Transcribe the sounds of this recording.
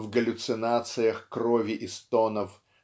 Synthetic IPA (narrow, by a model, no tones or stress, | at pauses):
vɡəlʲʊt̪sɨnat̪sɨjəxkrovʲɪʔɪst̪onəf